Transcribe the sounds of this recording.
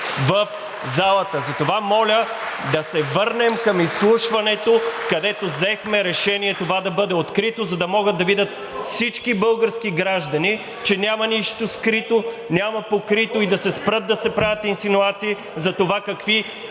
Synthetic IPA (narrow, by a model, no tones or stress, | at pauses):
vɐf | zalˠɐt̪əzɐt̪ovamɔlʲə | d̪ɐsɛvɤɾnɛmkɐmislˠuʃvɐnɛt̪okɐd̪ɛt̪ozɛxmɛɾɛʃɛniɛt̪ovad̪ɐbɤd̪ɛot̪kɾit̪ozɐd̪ɐmɔɡət̪ːɐvid̪ʲət̪ | fsit͡ʃkibɤlˠɡəɾsk̟iɡɾaʒd̪ɐni | t͡ʃɛnʲamɐniʃt̪oskɾit̪o | nʲamɐpokɾit̪oid̪ɐsɛspɾɤt̪̚d̪ɐsɛpɾavʲət̪insinuat̪siː | zɐt̪ovakɐkvi